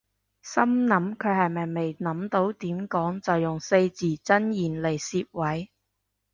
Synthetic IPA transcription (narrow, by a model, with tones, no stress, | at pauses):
sɐ˥mnɐ˨˥mkʰɵ˨˧ɥhɐ˨jmɐ˨˩jme˨jnɐ˨˥mt̪o˨˥wt̪iː˨˥mkɔː˨˥ŋt͡sɐ˨wjʊ˨ŋse˧jt͡siː˨˩t͡sɐ˥njiː˨˩nle˨˩jsiː˧p̚wɐ˨˥j